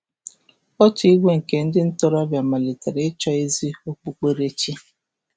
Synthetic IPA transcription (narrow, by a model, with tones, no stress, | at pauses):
ɔ˦tʊ˨i˦ɡʷe˦ŋ̩˨ke˨n̩˦dɪ˦n̩˦tɔ˦ɾa˦bja˨ma˨le˨te˨ɾe˨˦t͡ʃɔ˦e˦zi˦o˦k͡pu˦k͡pe˦ɾe˦t͡ʃi˦